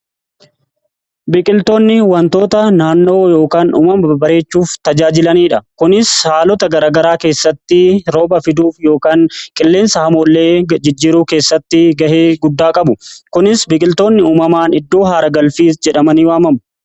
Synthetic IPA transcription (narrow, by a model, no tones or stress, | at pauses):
bɪkʼɪlt̪o̞ːnːɪwɐnt̪o̞ːt̪ɐnaːnːo̞ːjo̞ːkaːnṵːmɐmɐbɐɾe̞ːt͡ʃːuːft̪ɐd͡ʒaːd͡ʒɪlɐniːᶑɐkʊnɪshaːlɔt̪ɐɡɐɾaːɡɐɾaːke̞ːsːɐt̪ːɪɾo̞ːbɐfɪd̪uːfjo̞ːkaːŋkʼɪlːe̞ːnsɐhɐmoːlːeːd͡ʒɪd͡ʒːiːɾuːke̞ːsːɐt̪ːɪɡɐheːɡʊd̪ːaːkʼɐbʊkʊnɪsbɪkʼɪlt̪o̞ːnːɪuːmɐmaːnɪd̪ːo̞ːɦaːɾɐɡɐlfiːsd͡ʒɛᶑɐmɐniːwaːmɐmʊ